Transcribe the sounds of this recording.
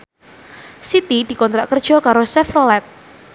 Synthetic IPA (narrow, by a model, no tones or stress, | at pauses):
sit̪id̪̥i̤kɔnt̪ɾaʔkərd̥ʒ̥ɔ̤kaɾosɛfrolɛt̪̚